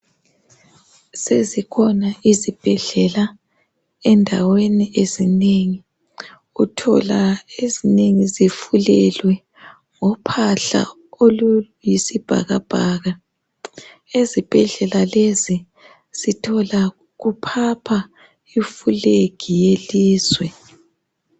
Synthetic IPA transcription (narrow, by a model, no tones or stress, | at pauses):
sezikʰɔnaʔizib̥ʱɛɮɛla | ɛndʱaweniezineŋi | utʰɔ̰laezineŋizifulɛlwɛ | ŋɔpʰaɬa̰ | olu | jisib̥ʱa̰ɣab̥ʱaːɣa | ezib̥ʱɛɮɛlalezi | z̥itʰɔla | ɣupʰapʰa | ifuleɡ̥ʱijeliːzwɛ